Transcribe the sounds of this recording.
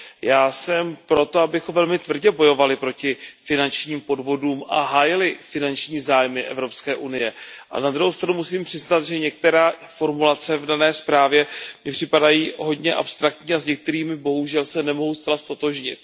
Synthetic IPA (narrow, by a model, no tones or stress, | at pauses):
jaːsɛmpɾo̞t̪o̞abɪxovɛlmɪt̪vr̩ɟɛbo̞jo̞valɪpɾo̞cɪfɪnant͡ʃɲiːmpo̞dvo̞duːmʔa̰ɦaːjɪlɪfɪnant͡ʃɲiːzaːjmɪʔɛ̰vɾo̞pskɛːʔunɪjɛʔa̰nad̪ɾuɦowst̪ɾanumusiːmpr̥ɪznat̪ʒɛɲɛk̚t̪ɛɾaːfo̞ɾmulat͡sɛvdanɛːspɾaːvjɛmɲɪpr̥ɪpadajiːɦo̞dɲɛʔa̰pst̪ɾakt̪ɲiːazɲɛk̚t̪ɛɾiːmɪbo̞ɦuʒɛlsɛnɛmo̞ɦowst̪t͡sɛlast̪o̞t̪o̞ʒɲɪ̰t̪̚